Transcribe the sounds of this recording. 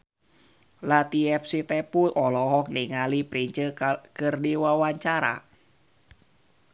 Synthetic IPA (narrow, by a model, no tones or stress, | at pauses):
lat̪iɛfsit̪ɛpuʔɔlɔɦɔk̚niŋalipɾiɲt͡ʃəkɨrdiwawaɲt͡ʃaɾa̰